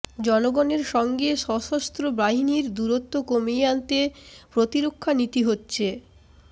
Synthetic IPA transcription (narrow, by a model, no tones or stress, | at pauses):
d͡ʑɔnoɡɔneɾʃɔŋɡeʃɔʃost̪ɾobɾaɦiniɾd̪uɾot̪ːokomieant̪epɾot̪iɾokʰːanit̪iɦotːɕʰe